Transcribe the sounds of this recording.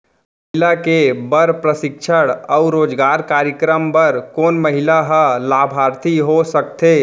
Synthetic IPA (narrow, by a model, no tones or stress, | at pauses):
məɦilakebəɾpɾəsɪkʃʰəɽɔʊɾoːd͡ʒɡaːɾkaːɾjəkɾəmpəɾkoːnməɦilaɦəlaːbʱaːɾt̪ʰiɦosək̚t̪eː